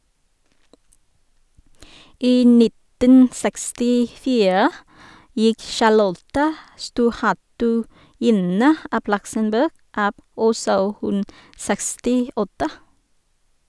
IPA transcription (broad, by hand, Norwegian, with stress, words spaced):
ˈiː ˈnɪtən ˌsækstɪˈfiːɹə ˈjɪk ʃɑˈlɔtə ˈstuːʁˌhætʉˌjɪnə ˈʔɑb ˈlʌksənˌbɜːɡ ˈɑːb ˈɔsɔ ˈhʉn ˈsækstɪˌɔtə